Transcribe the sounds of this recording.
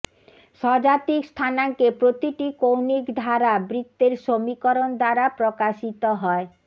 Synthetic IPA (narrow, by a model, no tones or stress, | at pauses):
ʃɔd͡ʑat̪ikst̪ʰanaŋkepɾot̪iʈikownikd̪ʱaɾabɾit̪ːeɾʃomikoɾond̪aɾapɾokaʃit̪oɦɔe